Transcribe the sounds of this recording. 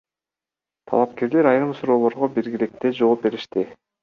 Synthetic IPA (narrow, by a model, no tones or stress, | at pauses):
t̪ʰɑ̰lˠɑp̚ke̞ɾle̞ɾɑjɾɯmsuɾo̞ːlˠo̞ɾʁobiɾɡilik̚t̪e̞d͡ʒo̞op̚be̞ɾiʃt̪i